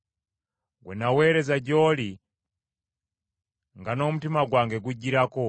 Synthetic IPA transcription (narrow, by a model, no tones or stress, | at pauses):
ɡwṵnawɛɾɛzad͡ʒɔli | ŋɡanɔmutimaɡwaŋɡɛɡ̬ud͡ʒiɾakɔ